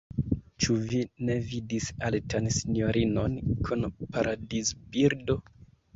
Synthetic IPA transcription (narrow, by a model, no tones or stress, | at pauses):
t͡ʃuvine̞vidisaltansinjo̞ɾino̞nkʰunpaɾʔadisbiɾdo